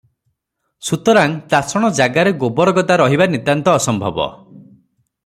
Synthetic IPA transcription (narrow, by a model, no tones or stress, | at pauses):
sut̪ɔɾaŋt̪asɔɽ̃ɔd͡ʒaɡaɾeɡobɔɾɔɡɔd̪aɾɔɦibanit̪ant̪ɔːsɔmbʱɔbɔ̰